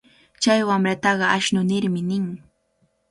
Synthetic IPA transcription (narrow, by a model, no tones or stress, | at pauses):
t͡ʃajwamɾat̪ɑɢɑaʃnʊnɪɾmɪnɪŋ